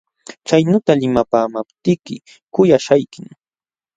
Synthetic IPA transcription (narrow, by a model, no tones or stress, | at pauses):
t͡ʃajnʊːt̪alɪmapaːmapt̪ɪkɪ̰ | kʊjaʃajkɪŋ